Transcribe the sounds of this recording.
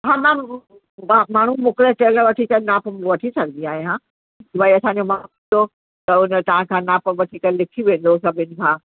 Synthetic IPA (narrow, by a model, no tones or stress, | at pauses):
ɦãːmã | amaːɳ̤ũmʊkleʈeːləʋɐʈʰikɐnaːpʋɐʈʰisɐɡʱə̃nd̪iaːɦĩɦãː | baːiɐsãːɲ̆d͡ʑomaːund̪o | t̪ɐʊnət̪ɐʋãkʰãːnaːpʋɐʈʰikɐllɪkʰiʋẽːn̆d̪os̬ɐbʱɪnɪ̆kʰãː